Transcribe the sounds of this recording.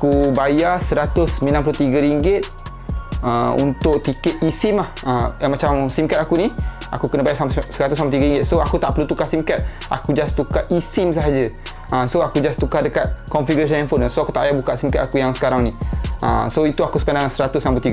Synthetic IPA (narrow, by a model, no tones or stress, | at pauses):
akubajasəɾat̪ʊsəmĩnamp̬lut̪iɡəɾiŋɡɪt̪̚ | əṵnt̪ʊk̚t̪ikɛt̪̚isɪmlahəmat͡ʃamsimkat̪akuni | a̰kukənəbajasamsəɾat̪ʊsampat̪iɡəɾiŋɡɪt̪̚soakut̪aʔpəlut̪ukasimkat̪̚ʔa̰kud͡ʒast̪ukaʔisɪms̬aɦad͡ʒə | ʔəsoakud͡ʒast̪ukahdəkat̪̚kɔnfiɡuɾas̬ənanfonasoakut̪aʔajabukaʔsimkat̪akujaŋsə̥kaɾaŋniə̰soit̪uakusə̥pandaŋasəɾat̪ʊsnamplut̪iɡə